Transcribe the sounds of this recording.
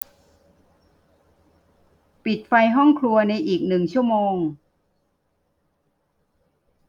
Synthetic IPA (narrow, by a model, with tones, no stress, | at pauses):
pi˨˩t̪̚fa˧jɦɔ˥˩ŋkʰlu˧ɐna˧jʔiː˨˩k̚nɯ˨˩ŋt͡ɕʰu˥˩ɐmoː˧ŋ